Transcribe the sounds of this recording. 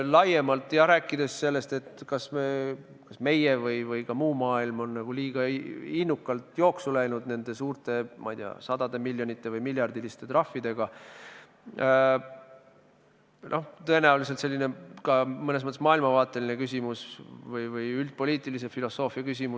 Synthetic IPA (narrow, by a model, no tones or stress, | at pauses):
lɑje̞mɑlt̪ːˑjɑɾæːkːˑid̪̥e̞sse̞lːe̞st̪e̞t̪kɑsme | kɑsme̞jevɯjvɯjkɑmuːmɑːilmo̞nːɑɡ̥uliːɡ̥ɑinːukːˑɑlt̪jo̞ːksulæjnud̪ne̞nd̪̥e̞suːrt̪e̞mɑ̰ijd̪̥ḭɑ̰sɑd̪̥ɑd̪̥e̞milʲːjo̞nit̪ːˑe̞vɯjmiljɑrd̪̥ilist̪e̞t̪rɑfːid̪̥e̞ɡ̥ɑ | nʔo̞ht̪ɤenæulis̬et̪se̞lːine̞kɑmɤnesmɤt̪ˑːsmɑːilmɑvɑːt̪ːˑe̞line̞kys̬ʲimusvɯjvɯjylt̪̚po̞lʲiːt̪ːˑilis̬e̞filo̞sːo̞ːfiɑkys̬ʲimu